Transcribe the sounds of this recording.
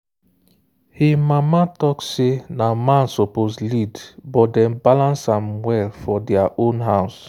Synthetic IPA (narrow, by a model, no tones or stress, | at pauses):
himamatɔksenamãnsoposlidbɔt̚dɛ̃mbalãnsãmwɛlfɔdɛaʔõnɦaʊs